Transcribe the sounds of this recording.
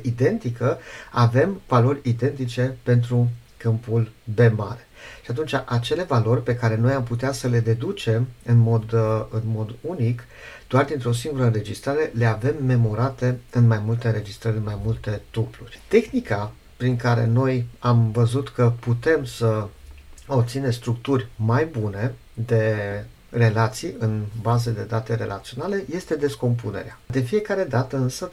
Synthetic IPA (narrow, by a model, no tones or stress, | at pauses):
id̪e̞nt̪ikəave̞mvalo̞rʲid̪e̞nt̪̬it͡ʃe̞pe̞nt̪ɾukɨmpulbe̞maɾe̞ʃiat̪unt͡ʃaʔat͡ʃe̞le̞valo̞rʲpe̞kaɾe̞no̞jamput̪̬easəle̞d̪e̞d̪ut͡ʃe̞mɨnmo̞d̪ɨnmo̞d̪unik | d̪̥oard̪int̪ɾeo̞s̬iŋɡuɾəɨnɾe̞d͡ʒist̪ɾaɾe̞le̞ave̞mːe̞mo̞ɾat̪e̞ɨnmajmult̪e̞ɨnɾe̞d͡ʒist̪ɾəɾʲɨnmajmult̪e̞t̪uplurʲt̪e̞xnika | pɾiŋkaɾe̞̰no̞jamvəzut̪kəput̪e̞msə | obt̪sinest̪ɾukt̪urʲmajbune̞ | d̪e̞ | re̞lat̪sijɨnbazed̪e̞d̪at̪eɾe̞̰lʔa̰t̪sio̞nale̞je̞st̪e̞d̪e̞sko̞mp̬une̞̰ɾead̪e̞fije̞kaɾe̞d̪at̪əɨnsə